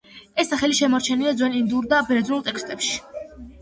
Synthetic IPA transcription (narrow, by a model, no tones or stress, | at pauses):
ɛsːaχɛliʃɛmɔɾt͡ʃʰɛnilad̪zwɛnind̪uɾd̪abɛɾɛd̪znulˠt̪ʼɛkʰst̪ʼɛpʃi̥